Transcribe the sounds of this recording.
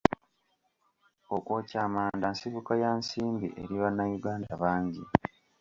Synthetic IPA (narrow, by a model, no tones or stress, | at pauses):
okwo̞ːcaːmaːndansiβukajansiːmbḭʔḛɾiβanːajuɡaːndaβaːɲɟi